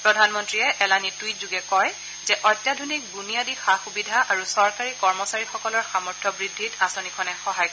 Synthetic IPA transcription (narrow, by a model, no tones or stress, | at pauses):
pɹɔdʱanmɔntɹiɛʔɛlanitwitzuɡɛkɔj | zɛʔɔjtːjadʱunik̚bunijadixaxubidʱaʔaɹusɔɹkaɹikɔɹmɔsaɹixɔkɔlɔɹxamɔɹtʰɔbɹidʱːitasɔnikʰɔnɛxɔɦaj